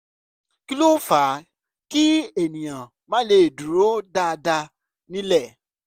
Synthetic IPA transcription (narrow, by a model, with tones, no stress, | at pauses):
ki˦lo˦fa˨˦ | ki˦e˨nĩ˨j̃ã˨ | mã˨˦le˧˦e˨du˨ɾo˨˦da˧da˧ | nĩ˦lɛ˦˨